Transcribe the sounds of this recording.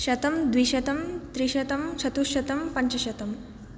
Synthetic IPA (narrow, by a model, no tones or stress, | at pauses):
ɕɐt̪ɐmd̪ʋiːɕɐt̪ɐmt̪ɾiːɕɐt̪ɐmt͡ɕʰɐt̪uɕɐt̪ɐmpɐɲt͡ʃɐɕɐt̪ɐm